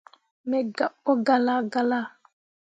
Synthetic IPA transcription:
mɛ˨ɡa˨ɓɔ˦ɡa˨la˦ɡa˨la˦˨

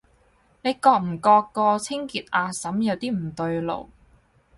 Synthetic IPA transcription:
ne˨˧jkɔː˧k̚m̩˨˩kɔː˧kːɔː˧t͡sʰɪ˥ŋkiː˨˧t̚ʔaː˨˧sɐ˨˥mjɐ˨˧wt̪iː˥m̩˨˩t̪ɵ˧ɥlo̰˨˩w

